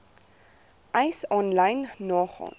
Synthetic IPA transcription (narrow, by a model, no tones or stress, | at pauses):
ʔɛjsɔnlɐjnːɑːχɑ̰ːn